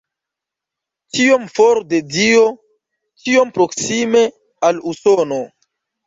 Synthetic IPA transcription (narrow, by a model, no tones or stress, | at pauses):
t͡ʃiomfoɾdedio̞ | t͡ʃio̞mpɾoksime̞ | alusono